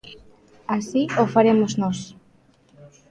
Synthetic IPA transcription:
asiofaɾemoznos

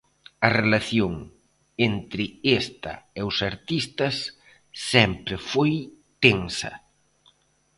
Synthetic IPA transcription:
ɐrelaθjoŋ | ent̪ɾɪest̪ɐ̰eʊsaɾt̪ist̪ɐsː | ɛmpɾɪfoj | t̪eŋsɐ̰

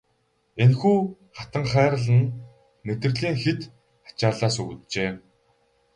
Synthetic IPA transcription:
enxuː | χat̪ə̆ŋχæːɾə̆ɮə̆n | met̪ɘ̆rɮiːŋxet̪ | ḁt͡ɕaːɮaːsɵɣ̆t̪t͡ɕeː

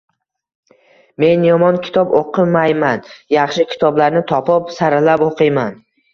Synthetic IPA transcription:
me̞njɒmɒnkʲʰɪ̥t̪ʰɒboqʰɨmajmanjɑχʃɪkʲʰɪ̥t̪ʰɒblaɾnɪt̪ʰɒpʰɒpsaɾalapoqʰɨjman

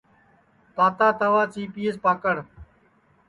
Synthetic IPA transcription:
t̪aːt̪aːt̪əʋaːt͡ʃiːpiːespaːkəɽ̤

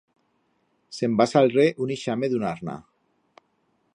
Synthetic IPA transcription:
sembasalreʔuniʃameðunaɾna̰

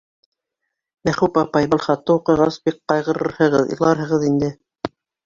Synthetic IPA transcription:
mæχupɑpɑjβɑlˠχɑt̪ːɤuqɤ̆jʁɑsbik̚qɑjʁɤ̆ɾɤ̰ɾhɤ̆ʁɤðḭlˠɑɾɦɤ̆ʁɤðind̪ɘ

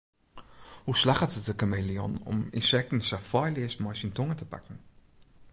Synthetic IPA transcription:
huːʃlaχəzəzəkəmeliɔnʊ̰mɪ̰nʃɛkn̩ʃafɔɪliəʃmaɪʃintʊŋətʰəpa̰kŋ̩

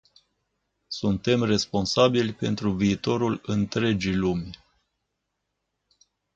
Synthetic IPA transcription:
sunt̪e̞mre̞spo̞nsabilʲpe̞nt̪ɾuviːt̪o̞ɾulɨnt̪ɾe̞d͡ʒijlumʲ

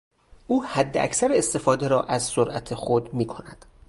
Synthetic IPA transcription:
ʔuːhæd̪ːeʔæ̰csæɾeest̪e̞fɒːd̪eɾɒːʔæzsoɾʔæt̪ʰexod̪miːkʰo̞næd̪̥

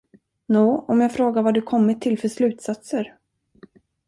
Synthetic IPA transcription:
nuːɔmjaːɡfɾoːɡaɾvad̪ɵkʰɔmːɪt̪ʰːɪlfœʂlʉ̟ːt̪sat̪səɾ

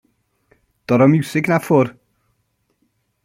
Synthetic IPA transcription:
d̥ɔɾɔmuwsɪɡnafʊr

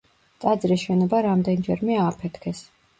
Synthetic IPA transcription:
t̪ʼad̪zɾisʃɛnɔbaɾamd̪ɛnd͡ʒɛɾmɛaːpʰɛt̪ʰkʰɛs

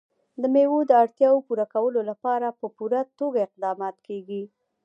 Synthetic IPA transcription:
d̪əmewod̪əaɽt̪jɑwopuɾakawəlolapɑɾapəpuɾat̪oɡaɪq̚d̪ɑmɑt̪keɡi

